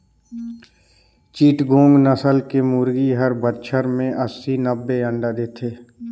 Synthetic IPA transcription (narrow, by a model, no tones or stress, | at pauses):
t͡ʃiːʈɡõːŋɡnəsəlkemuːɾɡiɦəɾbət̪t͡ʃʰəɾmẽʔəsːinəbːeə̃ɳɖad̪eːt̪ʰeː